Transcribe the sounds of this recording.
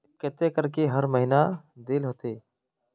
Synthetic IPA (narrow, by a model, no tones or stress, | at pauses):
keːt̪eːkəɾkeːɦəɾməɦiːnaːd̪eːlɦoːt̪eː